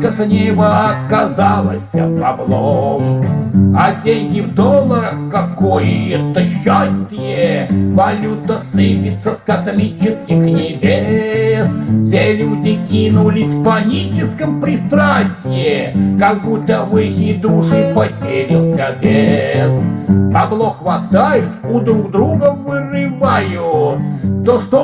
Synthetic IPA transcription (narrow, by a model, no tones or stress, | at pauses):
kɐsnʲejvəɐkːɐzalˠəsʲə̰pɐblˠom | ɐdʲenʲɡʲɪvd̪olˠːəɾəxkɐkojɪɛt̪əɕːasʲtʲɪjevɐlʲut̪əsɨpʲɪt̪səskɐsmʲit͡ʃɪskʲɪxnʲɪbʲesfsʲelʲudʲɪkʲinʊlʲɪsʲfpɐnʲit͡ʃɪskəmpɾʲɪst̪ɾasʲtʲɪjɪkɐɡ̚but̪ːəvɨjɪd̪uʂɨpɐsʲelʲɪlˠsʲəbʲespɐblˠoxvɐt̪ajʊʊd̪ɾuɡd̪ɾuɡəvɨrɨvajʊ | t̪oʂt̪o